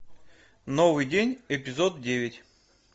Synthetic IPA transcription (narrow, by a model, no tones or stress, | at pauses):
novɨjdʲenʲɪpʲɪzot̪̚dʲevʲɪtʲ